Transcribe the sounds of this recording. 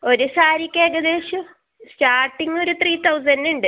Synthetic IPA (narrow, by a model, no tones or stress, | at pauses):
o̞ɾusaːɾikʲːeːɡɐd̪eːɕu | sʈaːrʈːiŋo̞ɾut̪riːt̪ʰɐwzɐnduɳɖɨ